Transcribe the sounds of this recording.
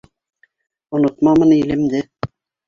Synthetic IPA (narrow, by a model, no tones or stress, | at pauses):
ŏnŏt̪mɑmɤ̆nilɘ̆md̪ɘ